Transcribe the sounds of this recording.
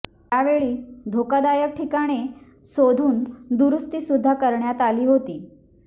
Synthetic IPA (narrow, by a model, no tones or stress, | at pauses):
t̪jaʋeɭiːd̪ʱokad̪ajək̚ʈʰikaɽ̃e | sod̪ʱuːnd̪uɾust̪iːsud̪ʱːakəɾɳjat̪aliːɦot̪iː